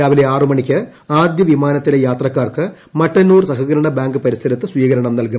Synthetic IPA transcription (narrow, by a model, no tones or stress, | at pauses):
aːʋileaːrɯmɐɳikʲːɐ | aːd̪jɐʋimaːnɐt̪ːilejaːt̪rɐkːaːrkɨ | mɐʈːɐnːuːrsɐɣɐɣɐɾɐɳɐbaːŋɡɨpɐɾisɐɾɐt̪ːɨsʋiːkɐɾɐɳɐmnɐlkum